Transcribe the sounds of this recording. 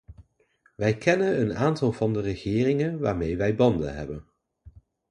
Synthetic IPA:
ʋɛjkʰɛnənənaːntɑlˠvɑndərəχɪːrɪŋənʋaːɹmejʋɛjbɑndə̰nɦɛ̰bən

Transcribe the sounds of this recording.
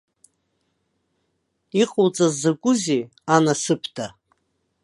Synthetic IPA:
iqʼowt͡sʼazakʷʼʊze | anasɨpʰdʰa

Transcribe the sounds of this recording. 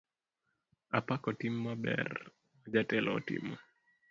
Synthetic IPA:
apakɔtimːabɛ̰r | ad͡ʒatɛlɔ̰tɪ̰mɔ

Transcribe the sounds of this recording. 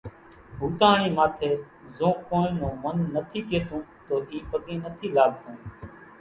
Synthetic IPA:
ɦuːt̪aːɳĩːmaːt̪ʰeː | zõːkõːnõːmənːət̪ʰiːkeːt̪õːt̪oːʔiːpəɠẽːnət̪ʰiːlaːɠ̚t̪õː

